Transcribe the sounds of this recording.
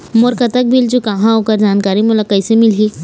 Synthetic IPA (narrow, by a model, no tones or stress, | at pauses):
moɾkɐt̪ək̚bʱild͡ʒokɐɦãɦoːkəɾd͡ʒaːnkaːɾimʊləkɐɪsemɪlɦi